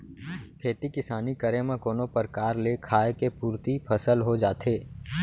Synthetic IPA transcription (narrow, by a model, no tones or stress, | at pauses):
kʰeːt̪ikɪsaːnikəɾemẽkoːnõpɐɾkaːɾlekʰaːekepuːɾt̪ipʰɐsəlɦod͡ʒaːt̪ʰeː